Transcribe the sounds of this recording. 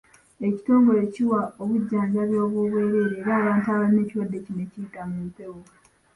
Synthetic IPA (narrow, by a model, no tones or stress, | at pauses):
e̞ci̥to̞ːŋɡo̞le̞ciwao̞βuɟːaːɲɡaβjo̞ːβwoβwe̞ːɾe̞ːɾeːɾaːβaːntuaβaline̞ːciwadːe̞cinecijitamuute̞wo